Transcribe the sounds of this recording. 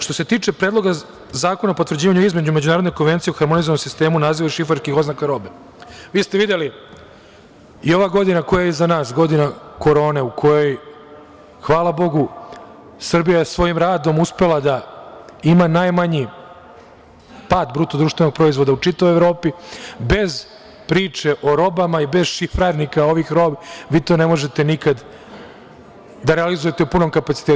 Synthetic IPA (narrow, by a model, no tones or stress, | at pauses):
ʃt̪o̞se̞t̪iːt͡ʃe̞pɾeːd̪lˠo̞ɡa | zaːkonaopot̪ʋr̩d͡ʑiːʋaɲuizme̞d͡ʑume̞d͡ʑunaːɾod̪nejko̞nʋe̞nt̪sieuxaɾmonizonomsist̪e̞ːmunaːziʋaiʃifaɾskixo̞znakaɾo̞be | ʋiːst̪eʋid̪eli | io̞ʋaɡo̞d̪inako̞jajezanaːsɡo̞d̪inako̞ɾo̞ːneukʰo̞jo̞j | xʋaːlabo̞ɡu | sr̩bijajesʋo̞jimɾaːd̪o̞muspe̞lˠad̪a | imanajmaɲi | paːd̪bɾut̪od̪uːʃt̪ʋe̞no̞ɡ̚pɾo̞izvʋo̞d̪aut͡ʂit̪aʋojeʋɾo̞ːpibe̞z | pɾiːt͡ʃeʔo̞ɾo̞bamaibe̞zʃifɾaɾnikao̞ʋixɾo̞biʋiːt̪o̞ːne̞mo̞ʒe̞t̪enikad̪ | d̪aɾealizuje̞t̪eupuno̞mkapat̪sit̪e